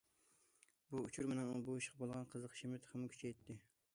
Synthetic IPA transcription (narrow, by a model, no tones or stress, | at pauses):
buut͡ʃʰuɾmɪnɪŋbuiʃqʰɑbolˠʁɑnqʰəzəqʰʃimɪt̪ʰχɪmʊkʲʰy̥t͡ʃʰɛjt̪ʰːɪ